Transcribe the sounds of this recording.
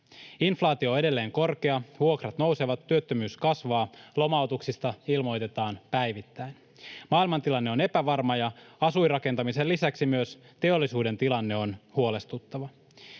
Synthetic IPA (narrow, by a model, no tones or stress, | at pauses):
inflɑːt̪io̞e̞de̞lːe̞ːŋko̞rk̟eɑʋuo̞krɑt̪no̞wse̞ʋɑt̪ːyøt̪ːømyːskɑsʋɑːlo̞mɑwt̪uksist̪ɑilmo̞jt̪e̞t̪ɑːnpæjʋit̪ːæin | mɑːilmɑnt̪ilɑnːe̞o̞ne̞pæʋɑrmɑjɑɑsuirɑke̞nt̪ɑmiselːisæksimyøs | t̪e̞o̞lːisuːde̞nt̪ilɑnːe̞o̞nhuole̞st̪ut̪ːɑʋɑ